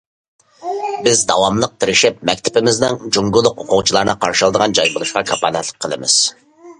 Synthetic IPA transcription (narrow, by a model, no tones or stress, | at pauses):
bɪzd̪ɑwɑmlˠəq̚t̪ʰɪɾɪʃɪp̚mɛk̚ʲt̪ʰɪ̥pɪmɪznɪŋd͡ʒuŋɡʊlˠːʊqoqʊt͡ʃʰilˠɑɾnɨqʰɑɾʃɨlˠd̪əʁɑnd͡ʒɑjbɨlˠuʃqɑkʰɑpɑːnɛt̪lˠə̥k̚ʲqʰːəlˠɨ̰mɪ̰z̥